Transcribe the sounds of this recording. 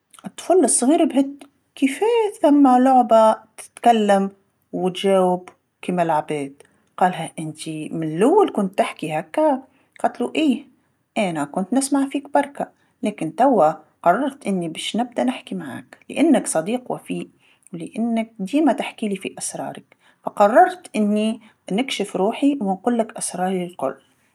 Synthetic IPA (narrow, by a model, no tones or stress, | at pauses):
ʔɨt̪ːfuːlːɨsˤːɣiːɾbɦɪt̪ | kifeːθamːalʊʕbat̪ɪ̥t̪kalːam | wɪt̪ʒeːwɪb | kimalʕabeːt̪̚ | qɑːlɦaʔɪnt̪imɪnlːʊwːalkʊnt̪ːɪħkihakːa | qɑt̪luʔiː | ʔeːnakʊnt̪nɪsmaʕfiːk̚bɑɾˤka | leːkɪnt̪awːa | qɑrˤːɑɾˤt̪ʔɪnːibeːʃnɪb̚d̪anɪħkimaʕa̰ːklɪ̰ʔanːaksˤɑd̪iːqwa̰fiːʔ | wlɪʔanːak̚d̪iːmat̪ɪħkiːlifiʔasɾˤɑ̰ːɾˤak | fɑqɑrˤːɑɾˤt̪ʔɪnːi | nɪkʃɪfɾuːħiwɪnquːlːakʔasɾˤɑːɾˤilqʊ̰lː